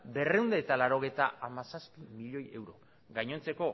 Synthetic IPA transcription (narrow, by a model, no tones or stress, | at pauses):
be̞re̞uwnd̪aːt̪alaɾo̞ɣ̞e̞jt̪aʔamasaspimiʎo̞je̞̰wɾo̞ | ɣaɲo̞nt͡se̞ko̞